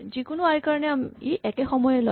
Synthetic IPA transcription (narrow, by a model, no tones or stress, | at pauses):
zikʊnuaɹikaɹɔnɛamiʔɛkɛxɔmɔjɛlo̰